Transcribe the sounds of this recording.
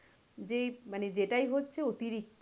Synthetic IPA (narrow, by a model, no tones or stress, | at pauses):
d͡ʑemaned͡ʑeʈajɦotːɕʰeot̪iɾik̚t̪